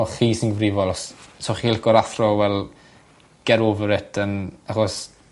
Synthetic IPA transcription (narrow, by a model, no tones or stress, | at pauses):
ɔχiːsinɡəvrɪvɔlˠɔssoχilɡɔɾaθrɔwɛlˠ | ɡ̥ɛɾovəɾɛtʰənaχɔs